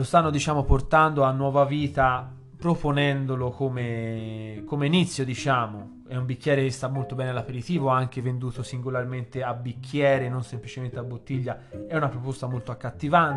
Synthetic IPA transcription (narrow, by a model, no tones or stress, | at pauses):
lost̪anːod̪it͡ʃaːmoport̪and̪oanːwɔːvaviːt̪a | pɾoponɛnd̪olokome | komeinit̪sːjod̪it͡ʃaːmo | ɛumbikːjɛːɾekest̪amːolt̪obɛːnealapeɾit̪iːvoaŋk̟evend̪uːt̪osiŋɡolarment̪eabːikʰːjɛːɾenonsemplit͡ʃement̪eabːot̪ːiʎːaɛunapɾopost̪amolt̪oakːat̪ːivan